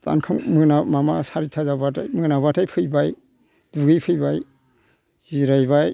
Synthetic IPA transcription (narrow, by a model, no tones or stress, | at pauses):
ta̰nkʰɯŋmɯnamamasaɾitʰazabata̰jmɯnaβatʰajpʰɯjbaj | d̥uɡijpʰɯjbaj | z̥iɾajβaj